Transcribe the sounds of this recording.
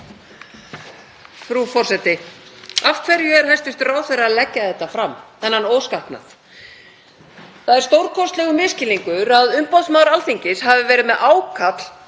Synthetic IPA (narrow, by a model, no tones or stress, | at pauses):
fɾufɔr̥sɛt̪ɪaft̪fɛɾjʏɛɾ̥hajst̪ʏst̪raːwθɛraðlɛcːaθɛht̪ːafɾamɛnːhanːoːwskahpna̰θ | θaðɛɾ̥st̪owɾkʰɔst̪lɛɣʏmɪscɪliŋkʏɾaðʏmpawðsmaːwɾalθiɲcɪsɦavɪvɛːɾɪðmɛðʔaːwkʰat̪l̥